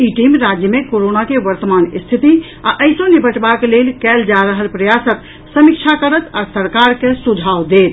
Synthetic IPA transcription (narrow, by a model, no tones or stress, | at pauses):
iʈimɾad͡ʒjəmekoɾonakeʋəɾt̪əmanist̪ʰit̪i | aʔəɪsõnibʱəʈbaklelkɛld͡ʒaɾəɦəlpɾəjasət̪ | səmik̚t͡ʃʰakəɾət̪asəɾkaɾkesud͡ʒʱawd̪et̪̚